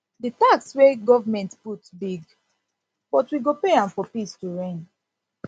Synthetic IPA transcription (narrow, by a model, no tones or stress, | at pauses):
ditakswɛɡɔvamɛ̃ntputbiɡ | b̥ɔtwiɡopeãnfɔpistuɹẽn